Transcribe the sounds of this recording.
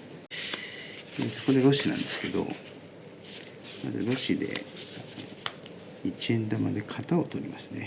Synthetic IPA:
esoko̞d̪eɾo̞ɕinã̰nd̪e̞sɨ̥ke̞d̪o̞̰ | ma̰zɨ̰ɾo̞ɕid̪e̞̰ | it͡ɕiẽ̞nd̪amad̪e̞kʰat̪ao̞t̪o̞ɾʲimasɨne̞

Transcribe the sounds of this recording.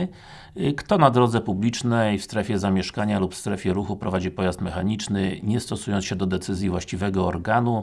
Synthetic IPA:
kt̪ɔnad̪ɾɔd̪zɛpublʲit͡ʂnɛjfst̪ɾɛfʲɛzamʲjɛʂkaɲalupfst̪ɾɛfʲjɛɾuxupɾɔvad͡ʑipɔjast̪mɛxaɲit͡ʂnɘɲɛst̪ɔsujɔnsɕɛd̪ɔd̪ɛt̪sɘzʲjivwaɕt͡ɕivɛɡɔɔɾɡanu

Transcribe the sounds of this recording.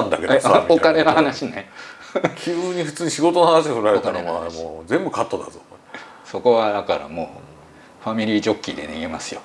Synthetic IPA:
ãnd̪a̰keokaɾe̞nahanaɕine | kʲʰɨːɲ̟iɸɯ̟̥t͡sɨːɲiɕiɡo̞t̪onohanaɕiohɯɾaɾet̪anomamod͡zẽ̞mbɯ̟kat̪ːod̪azo | so̞ko̞βad̪akaɾa̰mo̞̰ː | ɸamʲiɾʲiːd͡ʑo̞kʲːid̪e̞̰neɡe̞masɨjo

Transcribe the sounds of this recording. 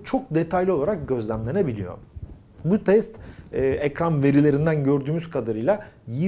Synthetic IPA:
t͡ʃʰo̞k̚d̪e̞t̪ʰajlʲiolˠaɾak̚ɟø̞zlʲæmlʲe̞nebilʲijo̞̰ | but̪ʰɛst̪ːʔɛcɾanve̞ɾilʲe̞ɾind̪ænɟø̞ɾd̪yːmyzkʰad̪aɾɯjlˠaji

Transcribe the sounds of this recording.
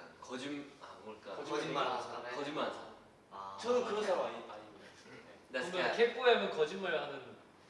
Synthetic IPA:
kʌd͡ʑimaʌɭk͈aʌiakʌd͡ʑimad͡ʑa | t͡ɕʌnɯnkɯɾʌsʰaaɲimaɲimida | enasʌkʰep͈ojamjʌnkʌd͡ʑinmaɭanɯn

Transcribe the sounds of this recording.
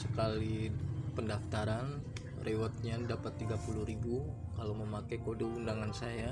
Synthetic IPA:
səkalipəndaft̪aɾan | rʔewat̪̚ɲadapat̪ːiɡapuluɾibukalawməmakakodoundaŋansaja

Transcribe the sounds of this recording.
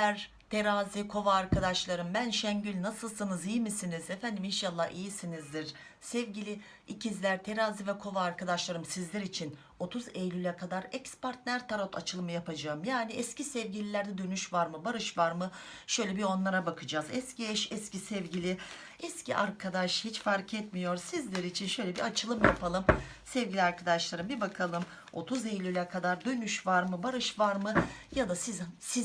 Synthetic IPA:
æɾ | t̪ʰe̞ɾaːzikʰo̞vaːɾkʰad̪aʃlˠaɾɯmbænʃɛɲɟylʲnasɯlˠsɯnɯzijmisinizɛfænd̪iminʃalˠːahijisinizd̪iɾ̥ | sɛvɟilʲi | icʰizlʲæɾt̪ʰe̞ɾaːzivɛkʰo̞vaːɾkʰad̪aʃlˠaɾɯmsizlʲɛɾit͡ʃʰin | o̞t̪ʰuzejlʲylʲɛkʰad̪aɾɛcspaɾt̪̚næɾt̪ʰaɾot̪ʰa̰t͡ʃʰɯlˠɯmajapʰad͡ʒaɯmjaːniɛscisɛvɟilʲilʲæɾd̪ɛd̪ønyʃvaɾmɯbaɾɯʃvaɾmɯ | ʃø̞jlʲɛbio̞nlˠaɾabakʰɯd͡ʒaːzɛsciɛʃɛscisɛvɟilʲɪ | ɛscḭʔaɾkʰad̪aʃhit͡ʃfaɾkʰɛt̪mijo̞ɾsizlʲeɾiːt͡ʃʰinʃø̞jlʲɛbiat͡ʃʰɯlˠɯmjapʰalˠɯm | sɛvɟilʲiaɾkʰad̪aʃlˠaɾɯmbibakʰalˠɯm | o̞t̪ʰuzejlʲylʲɛkʰad̪aɾd̪ø̞nyʃvaɾmɯbaɾɯʃvaɾmɯjad̪asisi

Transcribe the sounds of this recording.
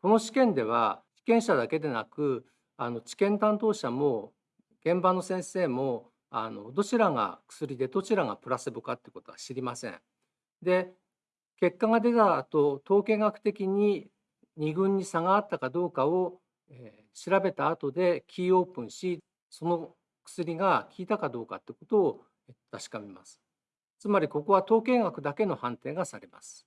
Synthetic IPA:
ko̞no̞ɕi̥kẽ̞nd̪e̞β̞a̰çʲi̥kẽ̞ɰ̃ɕad̪ake̞d̪e̞nakɯ̟ | ano̞t͡ɕi̥kẽ̞nt̪ãnt̪o̞ːɕamo̞ | ɡ̥ẽ̞mbano̞sẽ̞ɰ̃se̞ːmo̞ | a̰no̞̰d̪o̞t͡ɕiɾaŋa̰kɯ̟̥sɨɾʲid̪e̞d̪ot͡ɕiɾaŋa̰pɯ̟ɾasɨbɯ̟kat̪ːeɯko̞t̪o̞aɕiɾʲimasḛ̃ɴ | d̪e̞ | ke̞kːaŋad̪e̞t̪at̪o̞t̪o̞ːkẽ̞ŋɡakɯ̟̥t̪e̞kʲiɲ̟i | ɲ̟iɡɯ̟̃ɲ̟ːisaŋaːt̪ːakad̪o̞ːkao | e | ɕiɾabe̞t̪aːt̪o̞d̪e̞kʲʰiːo̞ːpɯ̟̃ɰ̃ɕi | so̞no̞ | kɯ̥sɨɾʲiɡakʲʰiːt̪akad̪o̞ːka̰t̪ːeɯkot̪o̞ː | et̪aɕi̥kamemasɨ̥ | t͡sɨmaɾʲiko̞ko̞βat̪o̞ːkẽ̞ŋɡakɯ̟d̪ake̞no̞hãnt̪e̞ːŋɡasaɾema̰sɨ̥

